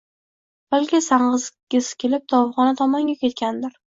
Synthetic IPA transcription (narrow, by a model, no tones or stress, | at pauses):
b̥alkʲɪsaɴʁɨzɡʲɪzkʲʰelɪp̚d̪̥ɒvʁɒnat̪ʰɒmɒŋɡʲakʲe̞t̪kʲand̪ɪɾ